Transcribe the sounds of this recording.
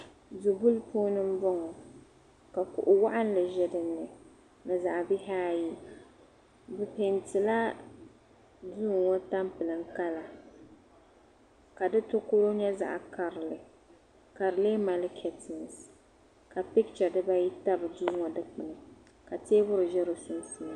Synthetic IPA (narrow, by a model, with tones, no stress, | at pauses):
du˨bu˦lpʰoː˦nɨ˦m̩˦bɔ˦ŋɔ˨ | ka˨kʊ̰˨ʔʊ˨wa˦ʔa˦n˦lɨ˨ʒɛ˦dɨ˨nːɨ˨ | nɨ˨za˨ʔbɪ˦ɦaː˦ji˦ | bɨ˨pe˨ntɨ˨la˦ | duː˦˨ŋŋɔ˦ta˦mpɨ˨lɨ˨ŋ˦ka˦la˨ | ka˨dɨ˦tʊ˦kʊ˦ɾo˦ɲɛ˦za̰˨ʔka˨ɾlɨ˨ | ka˨ɾɨ˨le˦ma˨lɪ˦kʰɛ˨tʰɪ˨ns | ka˨pi˦k̚t͡ʃa˨dɨ˦ba˦ji˦ta˦bɨ˨duː˦ŋɔ˨dɨ˦k͡pɨ˨nɨ˨ | ka˨teː˦bʊ˦ɾɨ˨ʒɛ˦ɾo˦sʊ˦n˦su˦